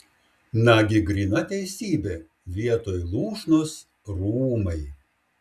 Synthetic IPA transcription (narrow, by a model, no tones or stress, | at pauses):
nɐɡʲɪɡɾʲinɐt̪ʲɛɪsʲiːbʲe | ʋʲiɛt̪oːjlˠuːʃnʊs | ɾuːmɐɪ